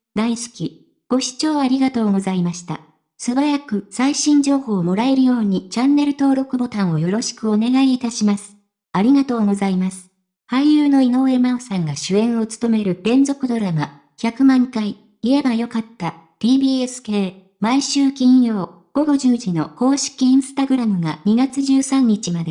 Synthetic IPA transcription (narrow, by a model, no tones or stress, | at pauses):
d̪aisi̥kʲi | ɡ̥o̞ɕi̥t͡ɕo̞ːaɾʲiɡat̪o̞ːɡo̞zaimaɕi̥t̪a̰ | sɨbaɾakɯ̟saiɕĩɲ̟d͡ʑo̞ːho̞ːmo̞ɾae̞ɾɯ̟jo̞ːɲ̟it͡ɕãnːe̞ɾɯ̟t̪o̞ːɾo̞kɯ̟bo̞t̪ãɰ̃o̞jo̞ɾo̞ɕi̥kɯ̟o̞ne̞ɡaiːt̪aɕimasɨ̥ | aɾʲiɡat̪o̞ːɡo̞zaimasɨ̥ | haijɯːno̞ino̞e̞maosãŋɡaɕɨẽ̞ɰ̃o̞t͡sɨ̥t̪o̞me̞ɾɯ̟b̥ẽ̞nd͡zo̞kɯ̟d̪o̞ɾama | çʲakɯ̟mãŋkai | ie̞bajo̞kat̪ːa | t̪ʲiːbʲiːesɨ̥ke̞ː | maiɕɨːkʲĩɰjo̞ː | ɡ̥o̞ɡo̞ʑɨːʑino̞ko̞ːɕi̥kʲiĩɰ̃sɨ̥t̪aɡɯ̟ɾamɯ̟ɡaɲ̟iɡat͡sɨʑɨːsãɲ̟ːit͡ɕimad̪e̞